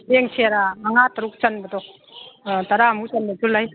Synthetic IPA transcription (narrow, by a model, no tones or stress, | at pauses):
eŋsʰeɾaːŋataɾuk̚t͡ʃanbadɔ | taɾamut͡ʃanbatulːaj